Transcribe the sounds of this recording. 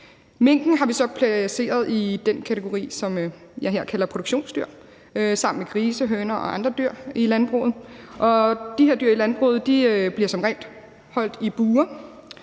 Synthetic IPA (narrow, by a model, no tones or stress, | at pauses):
me̝ŋ̰ɡ̥n̩ɦɑ̈ʋisɒ̽pʰlæse̝̰ːɐð̞ˠid̥enkʰæt͡sʰe̝ɡ̥o̝ʁḭːsɒ̽m | jɑ̈ɪɦæɐ̰kʰælɐpʰʁo̝douɡ̥ɕo̝̰ːnsd̥yɐ̰ | sɑ̈m̰n̩meɡ̥ʁiːsəɦøːnɐʔɒ̽ɑ̈nd̥ʁɐd̥yɐ̰ilænb̥ʁo̰ð̩ˠʔɒ̽d̥ihe̝ɐ̰d̥yɐilænb̥ʁo̰ːð̩ˠd̥iøb̥liɐsɒ̽mʁɛ̰ːnd̥ | hɒ̽l̰d̥ib̥uːɐ